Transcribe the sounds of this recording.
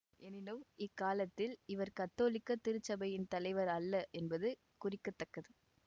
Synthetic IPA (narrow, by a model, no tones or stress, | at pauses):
ɛnɪnɯmɪkːaːlɐt̪ːɪlɪʋɐɾkɐt̪ːoːlɪkːɐt̪ːɪɾɯt͡ʃːɐbɐjɪnt̪ɐlɐɪʋɐɾɐlːɐʔɛnbɐðɯ | kʊrɪkːɐt̪ːɐkːɐðɯ